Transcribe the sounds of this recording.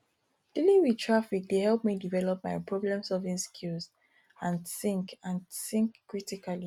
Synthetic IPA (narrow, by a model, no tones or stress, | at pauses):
d̥ilĩŋwidtʰɹafik̚d̥ehɛlˠp̚midivɛlɔp̚maɪpʰɹɔblɛ̃msɔlvĩŋskʰilz | ãnsĩŋkãnsɪ̃ŋkːɹitikali